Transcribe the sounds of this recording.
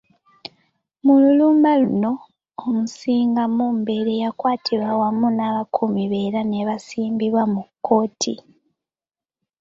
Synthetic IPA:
mululumaluno̞ː | musiːŋɡamuːmbe̞ɾe̞jakwaːtʰiɾwawamunaβakʰumiβe̞ːɾane̞βasiːmbiβwamukːo̞ːtʰḭ

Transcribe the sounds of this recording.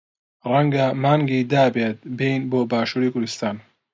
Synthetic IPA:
rɐŋɡɐmaːŋɡid̪aːbeːt̪̚bejnboːbaːʃuːɾiːkʊɾd̪ɨst̪aːn

